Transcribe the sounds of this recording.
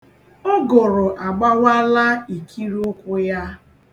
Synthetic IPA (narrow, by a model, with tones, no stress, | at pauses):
ʊ˦ɡʊ˨ɾʊ˨ʔa˨ɡ͡ba˦wa˦la˦i˨kʰi˦ɾʊ˦kʷʊ˦ja˦